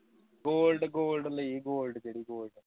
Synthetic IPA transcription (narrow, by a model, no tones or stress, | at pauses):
ɡoːlɖɨɡoːlɖɐlːɐiːɡoːlɖɨd͡ʒeɽiɡoːlɖɐ